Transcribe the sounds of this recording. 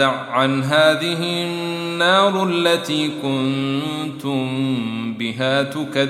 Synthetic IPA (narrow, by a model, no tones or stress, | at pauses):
aʕʕanɦaːðɪɦɪnːɑːɾˤalːat̪iːkʊnt̪ʊmmbɪɦaːt̪ʊka